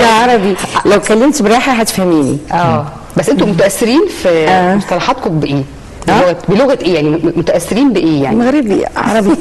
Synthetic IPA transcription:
ʕɑɾˤɑbilæwkælːemt̪beɾˤɑːħæɦæt̪e̥fhæmiːnḭʔæː | bæsːʔent̪omot̪æʔæsːeɾiːnfisɑlɑħɑt̪̚kombeʔeː | loɣæbeloɣæt̪ʔeːjaʕnimot̪æʔæsːeɾiːnbeʔeːja̰ʕimæɣɾebḭʕɑ̰ɾˤɑbi

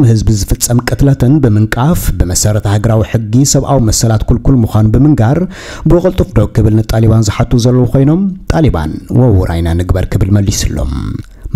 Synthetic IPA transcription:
nhɨzbizɨfɨt͡sʼːɐmkʼɨt̪lɐt̪ʰɨnbɨmɨŋkʼafbɨmɐsɐɾɐt̪ʰɐhaɡɐɾawiħɨɡːisɐβʔawimɐsɐlat̪kʰulkʰulmuxʷanubɨmɨŋɡaɾ | bɨwɨχʼɨlt̪ʼufd̪o̞ɡ̚kːɨβɨlnɨt̪ʼaliβanzɨħat̪ʰːuzɐlːɐwukʰo̞jno̞mt̪ʼaliba̰nwɐwuɾʔa̰jnanɨɡbɐɾkʰɨβɨlmɐlːisɨlːo̞̰m

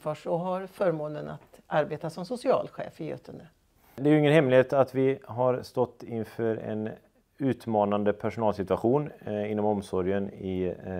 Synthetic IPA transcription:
fœʂɔɦaɾfœːɾmoːnəna̰t̪aɾbeːt̪asɔmsʊsɪɑ̰ːlɧḛːfəjø̰ːt̪ʰənə | d̪ɛæɾjʏɵɪŋːənhɛmlɪheːt̪at̪vɪɦaɾst̪ɔt̪ːɪnfœːɾɛ̰n | ʉ̟ːt̪mɑːnand̪əpʰæʂʊnɑːlsɪt̪ʉaɧuːnɪnːɔmɔmsɔɾjənɪ

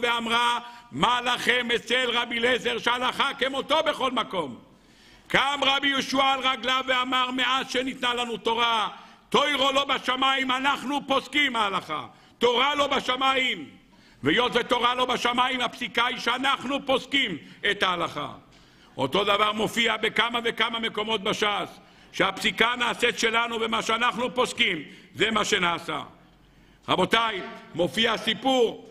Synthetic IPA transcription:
veamʁamalaχemet͡selʁabilezeʁʃealaχakemot̪o̞beχo̞lmako̞m | kamʁabijoʃualʁaɡlaveamaʁmeazʃenit̪nalanut̪o̞ʁa | t̪ojʁolo̞baʃamaimanaχnupo̞skimaːlaχa̰ | t̪o̞ʁalo̞baʃamaim | vejo̞t̪vet̪o̞ʁalo̞baʃamaimhapsikaiʃeanaχnupo̞skimet̪aːlaχa̰ | ʔo̞̰t̪o̞d̪avaʁmo̞fiabekamavekamame̞ko̞mo̞t̪̚baʃas | ʃeapsikanaːset̪ʃe̞lanuvemaʃeanaχnupo̞skimzemaʃenaːsa̰ | ʁabo̞t̪ajmo̞fiasipuʁ

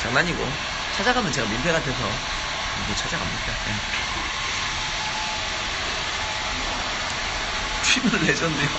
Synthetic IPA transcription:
t͡ɕaŋnaɲiɡo̰ | t͡ɕʰad͡ʑaɡamjʌnt͡ɕe̞ɡaminpʰeɡatʰes̬ʰʌ | iket͡ɕʰad͡ʑaɡa̰mɲik͈aa | tʰimuled͡ʑʌnde

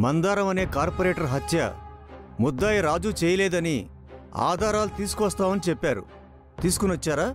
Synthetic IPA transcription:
mɐnd̪aːɾɐmɐne̞ːkaːɾpoɾeːʈɐɾɦɐt̪jɐ̰ | mɔd̪ːaːjɐɾaːd͡ʒuːt͡ʃɛːjɐlɛːd̪ɐni | a̰ːd̪ʱaːɾaːlut̪iːsu̥kʋɐst̪aːmɐnit͡ʃɛpːaːɾṵ | t̪iːsu̥kunʋɐt͡ʃːaːɾaː

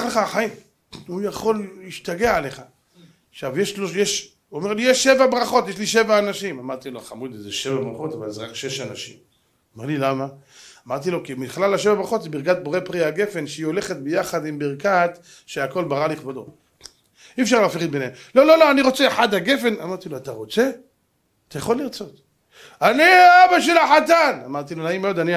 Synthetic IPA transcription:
aχleχaχaim | ujaχo̞liʃtaɡeʕale̞χa | ʃavjeʃlojeʃ | omeʁlijeʃːe̞vabʁaχo̞t̪jeʃ̬liʃevaːnaʃimamaʁt̪iloχamud̪izeʃevabʁaχo̞t̪ava̰lzeʁakʃe̞ʃanaʃḭm | meʁlilamaː | maʁt̪ilo̞kimiχlalaʃe̞vabʁaχot̪zebiʁkat̪̚boʁepʁiaɡe̞fe̞nʃeio̞le̞χet̪̚bejaχad̪imbiʁkat̪ | ʃeako̞lbaʁaliχbad̪o̰t | iefʃaʁlaːfeʁit̪benemlo̞lo̞lo̞aniʁo̞t͡se̞ːħad̪haɡe̞fe̞na̰maʁt̪iloat̪aʁo̞t͡se̞ | at̪ajaχo̞lːiʁt͡so̞t̪ | aniaabaʃelaħat̪anamaʁt̪ilonaimeod̪ani

